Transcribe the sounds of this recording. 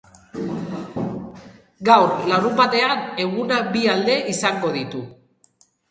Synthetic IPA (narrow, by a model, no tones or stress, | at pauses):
ɡawrlaɾumbat̪e̞ane̞ɣunabiald̪e̞ʔisaŋɡo̞ð̞it̪u